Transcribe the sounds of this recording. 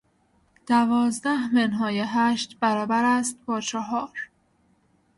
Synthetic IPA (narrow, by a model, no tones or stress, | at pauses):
d̪̥ævɒːzd̪æhmenɦɒːjeɦæːʃt̪bæɾɒːbæɾæst̪̚bɒːt͡ʃʰɒɦɒːɾ